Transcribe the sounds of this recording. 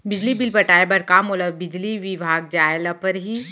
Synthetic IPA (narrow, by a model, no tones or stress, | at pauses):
bɪd͡ʒlibɪlbəʈaːebɐɾkamoləbbɪd͡ʒliʋɪbʱaːɡ̚d͡ʒaːjlapəɾɦiː